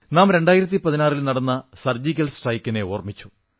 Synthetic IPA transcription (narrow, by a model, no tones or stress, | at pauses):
naːmɾe̞ɳɖaːjiɾɐt̪̬ːipɐðinaːrilnɐɽɐnːɐsɐrd͡ʑikʲːɐlsʈrɐjkːine̞oːrmit͡ɕːu